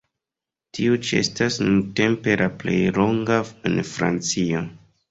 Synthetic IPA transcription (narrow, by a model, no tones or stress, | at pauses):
tiut͡ʃḛstasnunte̞mpe̞lʔaple̞jloŋɡaenfɾa̰nt͡sio